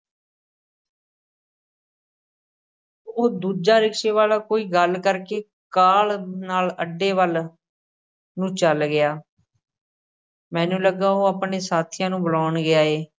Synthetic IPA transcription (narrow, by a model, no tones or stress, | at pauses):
oːd̪uːd͡ʒaːɾɪkʃeːʋaːlaːkoːiːɡəlkəɾkeː | kaːlnaːləɖːeːʋəl | nũːt͡ʃəlɡɪaː | mɛ̃ːnũːləɡaːoːaːpɳeːsaːt̪ʰijãːnũːbəlaːnɡɪjaːeː